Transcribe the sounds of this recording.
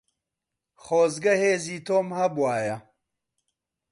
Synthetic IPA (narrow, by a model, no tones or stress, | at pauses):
χoːzɡɐheːziːt̪ʰoːmhɐbwaːjɐ